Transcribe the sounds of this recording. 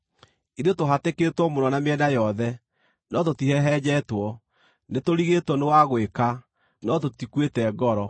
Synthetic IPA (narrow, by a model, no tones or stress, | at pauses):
iɾetoɦateketwɔmonɔnameɛdajɔðɛ | nɔtotiɦɛɦɛd͡ʑɛtwɔ | netoɾiɣetwɔnewaɣweka | nɔtotikwetɛɡɔɾɔ